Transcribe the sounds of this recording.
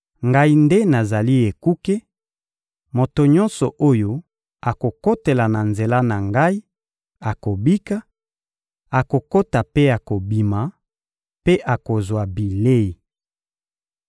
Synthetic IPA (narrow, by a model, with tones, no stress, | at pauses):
ŋɡa˦i˦nde˦na˨za˨li˦e˨ku˦ke˦ | mo˨to˨ɲɔ̃˦nsɔ˨ʔo˦jo˦ | a˨ko˨ko˦te˨la˨na˨nze˨la˦na˨ŋɡa˦i˦ | a˨ko˨bi˦ka˦ | a˨ko˨ko˦ta˨pe˦a˨ko˨bi˨ma˨ | pe˦ʔa˨ko˨zwa˨bi˨le˦i˨